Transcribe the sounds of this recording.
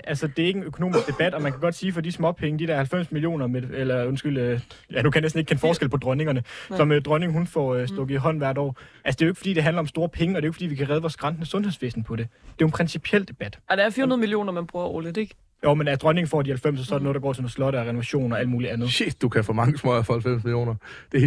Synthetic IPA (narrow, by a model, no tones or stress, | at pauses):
ʔælsəd̥e̝æe̝ɡ̥enøkʰo̝no̝̰ːmisɡ̥̚d̥e̝b̥æd̥ɒ̽mænkʰæɡɒ̽d̥siːfɒ̽d̥ismɒ̽pʰeŋəd̥id̥æɐhælfem̰smilio̝̰ːnɐmedelɐɔnsɡ̥yl̰øjænukʰæjnesdn̩eɡ̥̚kʰenfɒːsɡ̥el̰pʰɒ̽d̥ʁɶne̝ŋɐnəsɒ̽mød̥ʁɶne̝ŋɦunfɒsd̥ɔ̽ɡ̥iɦɒ̽n̰ʋæɐ̰ɾ̥ɒ̰ːʔælsə̥de̝joe̝ɡ̥fd̥ḭːd̥e̝ɦænlɐɒ̽msd̥o̝ːɐpʰeŋəɒde̝oeɡ̥fdḭːʋikʰæʁɛð̞ˠʋɒːsɡ̥ʁɑ̈nd̥nəsɔ̽nhe̝ðˠsʋe̝ːsn̩pʰɒ̽d̥e̝d̥e̝o̝enpʰʁɛnsipʰiel̰d̥e̝b̥æd̥d̥ɑɐfiːɐhunɐð̩ˠmilio̝̰ːnɐmænb̥ʁuːɐo̰ːləd̥eɡ̥ | joʊmenælsəd̥ʁɶne̝ŋn̩fɒ̰dihælfem̰sɒsɒ̽ɐdeno̽ð̩̥ˠɑɡɒ̰ːt͡sʰenoslɒ̽ɾ̥əɒʁɛno̝ʋæɕo̝̰ːnɒæl̰muːliænð̩ˠɕed̥d̥ukʰæfɔːmɑ̈ŋəsmɔæfhælfem̰smilijo̝̰ːnɐ | d̥e̝